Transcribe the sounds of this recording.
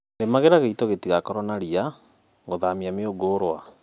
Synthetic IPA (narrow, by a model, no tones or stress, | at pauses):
ɾemaɣeɾaɣeitoɣetiɣakɔɾɔnaɾia | ɣoðamiameoɡoːɾoa̰